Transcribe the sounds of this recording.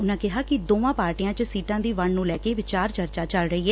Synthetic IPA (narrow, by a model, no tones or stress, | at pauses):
ʊnãːkɪɦaːkɪd̪oːʋãːpaːɾʈijãːt͡ʃəsiːʈãːd̪iːʋəɳnũːlɛːkeːʋɪt͡ʃaːɾt͡ʃəɾt͡ʃaːt͡ʃəlɾəiːɦɛː